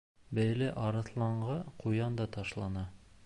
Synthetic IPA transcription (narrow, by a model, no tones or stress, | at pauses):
bæjlɘʔɑɾɤ̆θlˠɑɴɢɑqujɑnd̪ɑt̪ɑʃlˠɑnɑ